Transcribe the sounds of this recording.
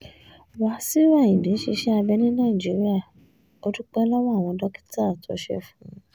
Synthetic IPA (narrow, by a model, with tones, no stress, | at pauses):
wa˨˦si˦ɾa˦˨ĩ˨bĩ˨˦ʃi˧ʃɛ˦a˧bɛ˧nĩ˦nãː˦˨i˨d͡ʒi˨˦ɾi˦a˦˨ | o˦du˦k͡pɛ˦lɔ˦wa˦˨w̃ɔ̃˧dɔ˦ki̥˦ta˦˨tʰo˨˦ʃɛ̰˦˨fũ˨˦˧